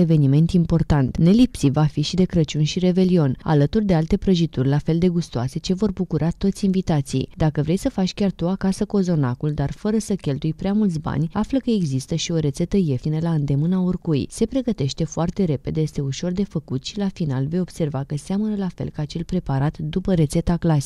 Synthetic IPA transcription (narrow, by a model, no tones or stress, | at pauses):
eve̞nime̞nt̪impo̞rt̪ant̪ne̞lipsivafiʃid̪e̞kɾət͡ʃunʃiɾe̞ve̞lio̞na̰lət̪urd̪e̞alt̪e̞pɾəʒit̪urʲlafe̞ld̪e̞ɡust̪oase̞t͡ʃe̞vo̞rbukuɾat̪o̞t̪sʲinvit̪at̪sḭjd̪akəvɾe̞jsəfat͡ʃkʲart̪uakasəkuozo̞nakuld̪arfəɾəsəkʲe̞lt̪ujpɾeamult̪sʲba̰nʲafləkəe̞ɡzist̪əʃio̞ɾe̞t̪se̞t̪əje̞finəlaɨnd̪e̞mɨnaorkujse̞pɾe̞ɡət̪e̞ʃt̪e̞foart̪e̞ɾe̞pe̞d̪eje̞st̪e̞uʃo̞rd̪e̞fəkut̪ʃilafinalve̞jo̞b̥se̞rvakəseamənəlafe̞̰lkəat͡ʃe̞lpɾe̞paɾat̪d̪upəɾe̞t̪se̞t̪aklasi